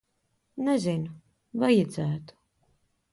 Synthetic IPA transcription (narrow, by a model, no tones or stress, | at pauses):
nɛzinu | vajɛd̪zæːt̪u̥